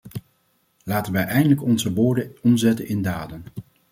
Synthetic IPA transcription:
laːtənʋɛjʔɛjndələkɔnzəʋʊːɹdəɔmzɛtənɪndaːdən

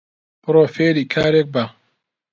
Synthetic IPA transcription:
pɨɾoːfeːɾiːkʰaːɾek̚ba

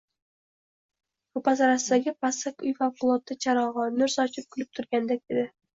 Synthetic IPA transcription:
ʊpasɒɾasɨd̪aɡʲɪpasakʊjfawqʊlˠot̪ːɨt͡ʃʰaɾɒʁɑnʊɾsɒt͡ʃɪp̚kʲʰʊlɪp̚t̪ʰʊɾɡʲand̪ak̚d̪ed̪ɪ

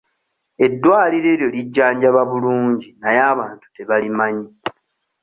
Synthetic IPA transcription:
e̞dːwaːliɾe̞ːɾjo̞liɟːaːɲɟaβaβuluːɲɟinajaːβaːntu̥te̞βalimaɲi

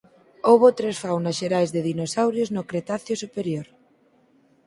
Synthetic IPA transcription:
oβ̞ot̪ɾesfawnasʃeɾajzðeðinosawɾjoznokɾet̪aθjosupeɾjoɾ

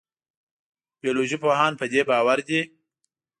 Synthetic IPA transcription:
b̥ijoloʒipoɦɑnpəd̪ebɑːwaɾd̪i

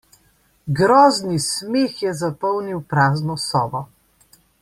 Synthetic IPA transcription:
ɡɾɔːznismeːxjɛzapɔwniwpɾaːznɔsɔːbɔ

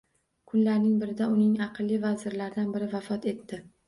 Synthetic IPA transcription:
kʰʊnlaɾnɪŋbɪɾɪd̪aʊnɪŋɑqʰɨlˠːivazɪɾlaɾd̪anbɪɾɪvafɒt̪ʰe̞t̪ːɪ

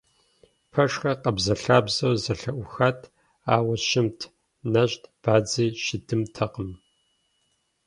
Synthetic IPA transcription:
pʰɐʂxɐqɐbzɐɬaːbzɐwzɐɬɐʔʷʊxatʰ | aːwɐʃɪmtʰ | nɐɕtʰb̥aːd͡ziːʃɪdʰɨmtʰɐqəm

